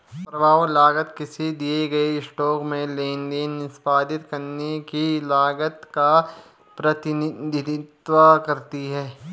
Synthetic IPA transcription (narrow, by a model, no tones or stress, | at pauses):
pɾɐbaːʋlaːɡət̪kɪsid̪ieɡɐesʈɔːkmẽlẽːnɖ̪eːnːɪspaːd̪ɪt̪kɐɾnekilaːɡət̪ka | pɾɐt̪ɪnɪd̪ɪd̪ɪt̪wakɐɾt̪iɦɛː